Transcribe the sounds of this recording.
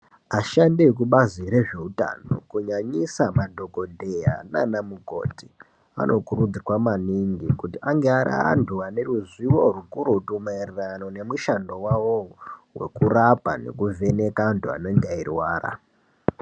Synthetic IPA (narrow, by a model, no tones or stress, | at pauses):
aʃandek̬uɓaziɾe̞ʐe̞uta̰no̞̰kuɲaɲisamadʱo̞ko̞dʱeja̰nanamuɡʱo̞̰ːti | a̰nʔo̞kurud͡zikwamaniŋɡikutiaŋɡeaɾa̰a̰nduwane̞ruzwiwo̞rukuɾutumairirano̞ne̞muʃando̞wawowe̞̰kurapa̰ne̞̰kuvʱe̞ne̞kantua̰no̞ndairwaːra̰